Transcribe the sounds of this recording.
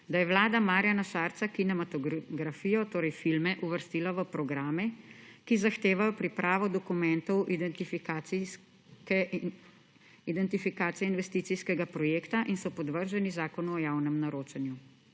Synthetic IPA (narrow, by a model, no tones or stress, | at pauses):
d̪ajɛwlaːd̪amaːɾjanaʃaɾt̪sakinɛmat̪ɔɡɾafiːjɔt̪oːɾɛjfilmɛʔuʋəɾst̪iːlaʋəpɾɔɡɾaːmɛkizaxt̪eːʋajɔpɾipɾʔaːʋɔd̪ɔkumɛnt̪ɔw̪f | kɛ | id̪ɛnt̪ifikaːt̪sijɛinʋɛst̪iːt̪sijskɛɡapɾɔjeːkt̪aʔinsɔpɔd̪ʋəɾʒɛnizaːkɔnuɔjaːwnɛmnaɾoːt͡ʃɛnju